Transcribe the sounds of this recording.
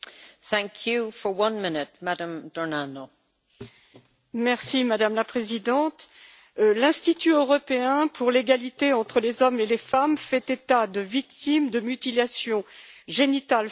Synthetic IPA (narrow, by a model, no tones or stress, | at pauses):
θæ̃ŋkʰjufə˞wʌ̃nmɪnɪt̚madə̃md̥ɔɹnano | mɛʁsimad̪amlapχezid̪ɑ̃t̪ | lɛ̃st̪it̪yøʁɔpeɛ̃pʰuʁleɡalit̪eɑ̃t̪χəlezɔmelefamfɛt̪et̪ad̪əvik̚t̪imd̪əmyt̪ilasjɔ̃ʒenit̪al